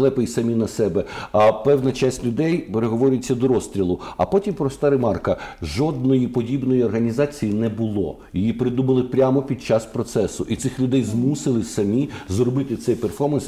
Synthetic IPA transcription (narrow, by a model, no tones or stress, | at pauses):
lˠɛpɪjsɐmʲinɐsɛbɛpɛwnɐt͡ʃasʲtʲlʲʊd̪ɛjpeɾeɦɔʋɔɾʲɪjet͡sʲːɐd̪ɔɾɔst̪ɾʲilˠʊɐ̰pɔtʲimpɾɔst̪ɑɾemɑrkɐʒɔd̪̚nɔjipɔdʲibnɔjiɔrɦɐnʲizɑt͡sʲijinɛbʊlˠɔ̰ | jijipɾɪd̪umɐlˠɪpɾʲamɔpʲid̪̚t͡ʃɑspɾɔt̪sɛsʊʔit̪sɪxlʲʊd̪ɛjzmusɪlˠɪsɐmʲizrɔbɪt̪ɪt̪sɛjperfɔmɐns